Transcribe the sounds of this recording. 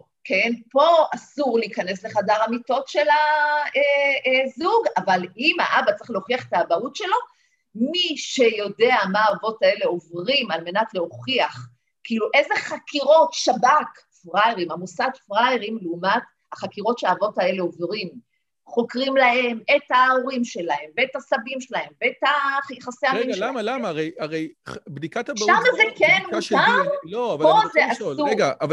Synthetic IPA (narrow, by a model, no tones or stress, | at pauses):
kʰenpo̞asuʁliːkane̞sle̞χadaʁamito̞tʃe̞laezuɡavalimha̰ʔabat͡sʁiχle̞oχiaχet̪aːbautʃe̞lo̞ | miʃejo̞de̞amaːvotae̞le̞o̞vʁimalme̞natle̞o̞χiaχ | kiiːluʔezeχakiʁo̞tʃabak | fʁajʁimamusaɡfʁajʁimleumat | haχakiʁo̞tʃeaːvotae̞leo̞vʁim | χo̞kʁimlahe̞me̞taoʁimʃe̞lahe̞mveetasabimʃelae̞mveetaχjeχaseaiɡaamalamaːʁejaʁejbdikat̪aʃamazekenmuaʁloavapozeʔasueɡav